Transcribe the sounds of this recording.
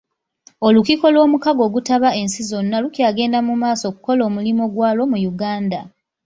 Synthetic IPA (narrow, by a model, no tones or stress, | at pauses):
olukiko̞lwo̞ːmukaɡo̞ːɡutaβae̞nsizo̞nːalukjaːɡe̞ːndamumaːso̞ːku̥ko̞lo̞ːmulimo̞ɡwaːlo̞mujuɡaːnda